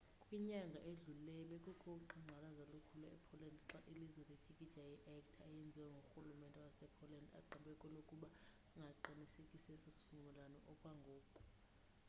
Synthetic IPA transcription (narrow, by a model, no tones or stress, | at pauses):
kʼwiɲaŋɡʱaʔeɮulɛɓɛkʼukʰʼoǁuŋ͡ǃʱalazalokʰulaɛpʰɔlɛndʱǁaʔilizwɛled̥ʱikʼi̥d͡ʒajʔɛkʼtʰajɛnd͡zʱiwɛŋɡʱoxulumɛntʼɛwasɛpʰɔlanda̰ǃaɓɛkʼɔlokʼuɓa | ŋɡʱaǃinisekʼisɛsosi̥fumʱɛlanɔʔɔkʼwaŋɡʱoːkʼu̥